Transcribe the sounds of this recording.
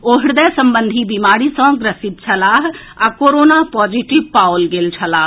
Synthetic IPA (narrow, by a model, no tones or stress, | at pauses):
oːɦɪɽd̪ɛːsəmbənd̪ʱiːbimaːɾiːsɔ̃ːɡɾəsɪt̪̚t͡ʃʰəlaːɦ | akoːɾoːnaːpɔːziʈɪpaːwlɡelt͡ʃʰəlaː